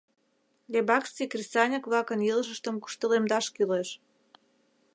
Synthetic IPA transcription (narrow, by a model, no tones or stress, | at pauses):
lʲebɑkst͡sikrʲisɑnʲəkβlɑkə̆njilˠəʃə̆ʃt̪ə̆mku̥ʃt̪ə̆lemd̪ɑʃkyleʃ